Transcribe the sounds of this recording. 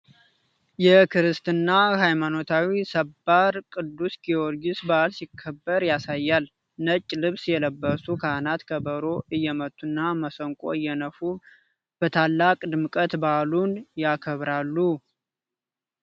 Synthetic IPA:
jɛkʰɨɾɨst̪ʰɨnːaɦajmano̞t̪ʰawisəbːaɾkʼɨd̪ːusɡioɾɡisbalsikʰːəbːəɾjasajːal | nət͡ʃʼːlɨβsjɛləbːəsukʰanat̪kʰəbəɾoʔɨjːɛmət̪ʼːunːaməsəŋkʼo̞̰ɨjːɛnəfu | b̥ət̪ʰalːakʼd̪ɨmɨkʼət̪balunjakʰəβɾalːu

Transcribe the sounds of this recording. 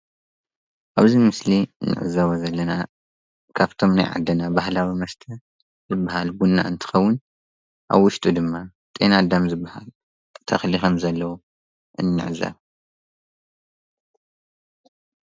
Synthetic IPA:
ʔaβzimɨsliɨnːɨ̰ʕɨ̰zːɐβozɐlːɐna | kʰaβt̪ʰo̞mna̰jʕa̰d̪ːɐnabahlawimɐst̪ʰɐ | zɨbːahalbunːa̰ɨnt̪ʰɨ̥xɐwːʊn | ʔa̰βwʊʃt̪ʼud̪ɨmːa | t̪ʼḛnad̪amzɨbːaha̰l | t̪ʰɐxlixɐmzɐlːɐwu | ʔɨnːɨ̰ʕɨzɐ̰β

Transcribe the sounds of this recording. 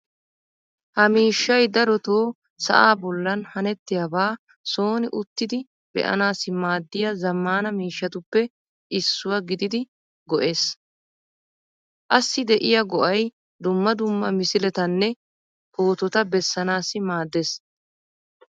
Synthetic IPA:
hɐmiːʃːɐjd̪ɐɾɔt̪oː | sɐ̰ʔaːbɔlːɐnhɐnɛt̪ːɪjɐbaː | so̞ːnɪʔʊt̪ːɪd̪ɪ | bɛ̰ʔɐ̰naːsɪmaːd̪ːɪjɐzɐmːaːnɐmiːʃːɐt̪ʊpːɛ | ʔɪsːʊwɐɡɪd̪ɪd̪ɪ | ɡɔʔe̞ːs | ʔɐsːɪd̪ɛʔɪjɐɡɔʔɐj | d̪ʊmːɐd̪ʊmːɐ̰mɪsɪlɛt̪ɐnːɛ | hoːt̪ɔt̪ɐbɛsːɐnaːsɪmaːd̪ːeːs

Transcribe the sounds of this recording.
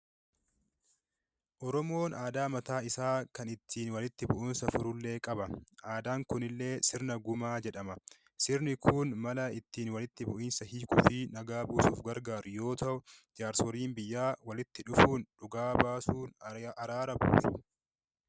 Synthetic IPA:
ʔɔɾɔmo̞ːnaːd̪aːmɐt̪aːɪsaːkɐnɪt̪ːiːnwɐlɪt̪ːɪbʊʔuːnsɐfʊɾʊlːe̞ːkʼɐbɐʔaːd̪aːŋkʊnɪlːe̞ːsɪɾnɐɡʊmaːd͡ʒɛᶑɐmɐ | sɪɾnɪkʰuːnmɐlɐɪt̪ːiːnwɐlɪt̪ːɪbʊʔiːnsɐhiːkʊfiːnɐɡaːbuːsuːfɡɐɾɡaːɾjo̞ːt̪ɐʔʊd͡ʒaːɾsɔɾiːnbɪjːaːwɐlɪt̪ːɪᶑʊfuːnᶑʊɡaːbaːsuːnɐɾaːɾɐbṵːsʊ̥

